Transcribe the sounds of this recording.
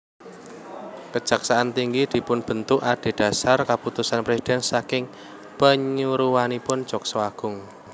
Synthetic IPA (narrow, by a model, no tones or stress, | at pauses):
kə̥d͡ʒ̥a̤ksaʔant̪iŋɡid̪̥i̤pʊnb̥ə̤nt̪ʊʔaɖ̥e̤ɖ̥a̤sarkaput̪usanpɾesid̪̥ɛnsakɪŋ | pəɲuɾuwanipʊn̥d͡ʒ̥ɔksɔaɡ̥ʊŋ